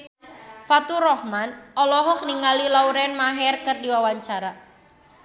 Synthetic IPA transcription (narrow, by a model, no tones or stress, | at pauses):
fat̪uɾɔhmanɔlɔɦɔk̚niŋalilauɾɛnmaɦɛrkɨrdiwawaɲt͡ʃaɾa